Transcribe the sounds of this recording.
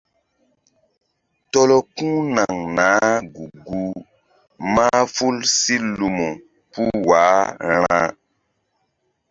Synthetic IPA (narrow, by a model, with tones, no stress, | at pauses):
tɔ˦lɔ˦kũ˦na˨ŋnaː˨˦ɡu˨ɡu˦ | ma˦fu˦lsi˦lu˨mo˨ | pu˦waː˨˦ɾ̃ã̰ː˦